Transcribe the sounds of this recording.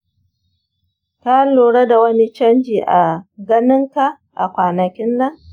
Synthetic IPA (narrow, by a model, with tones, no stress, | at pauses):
ta˦loː˨ɽɐ˦da˨wɐ˦ni˦t͡ʃɐ˦nd͡ʒiː˨ʔa˨ɡɐ˦nɪ˦ŋka˨ | ʔa̰˨kʷaː˨nɐ˨kʲɪ˦nːɐ˦ŋ